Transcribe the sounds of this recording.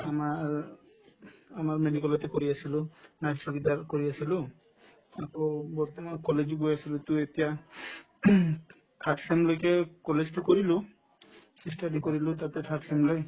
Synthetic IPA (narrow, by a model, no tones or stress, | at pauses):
ama | amaɾmeɖikɔlot̪ekɔɾiasilunassoɡid̪aɾkɔɾiasilu | akɔbɔɾt̪ɔmankɔled͡ʒiɡojasilut̪uet̪ija | tʰaʈsemlojkekɔled͡ʒʈukɔɾilu | sisʈaɖikɔɾilut̪at̪etʰaʈsemloj